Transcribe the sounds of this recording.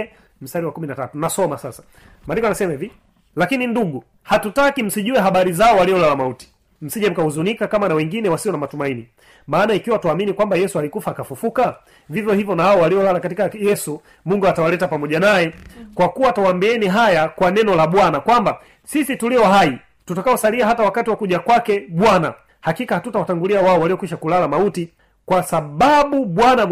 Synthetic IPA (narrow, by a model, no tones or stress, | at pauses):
m̩staɾiwakuminatatunasɔmasasḁ | malikɔanasɛmaivi | lakininduɠu | hatutakim̩siʄuɛɦaɓaɾizaɔwaliɔlalamauti̥ | m̩siʄam̩kahuzunikakamanawɛŋɡinɛwasiɔnamatumaini | maːnaikiwatuaminikwambajɛsualikufaːkafufuka | vivjɔhivjɔnahaɔwaliɔlalakatikajɛsu | muŋɡuatawalɛtapamɔʄanajɛkwakuwatawambiɛniɦajakwanɛnɔlaɓwanakwamba | sisituliɔɦai | tutakaɔsaliaɦatawakatiwakuʄakwakɛɓwana | hakikahatutawataŋɡuliawaɔwaliɔkwiʃakulalamauti | kwasaɓaɓuɓwana